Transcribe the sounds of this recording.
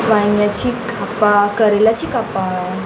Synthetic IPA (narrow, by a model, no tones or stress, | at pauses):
ʋaŋɡjat͡ɕikʰapakəɾilat͡ɕikapa